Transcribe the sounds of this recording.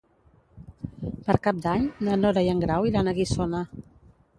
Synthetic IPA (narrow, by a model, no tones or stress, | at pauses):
pəɾkap̚d̪aɲnənoɾajəŋɡɾawilanəɣisona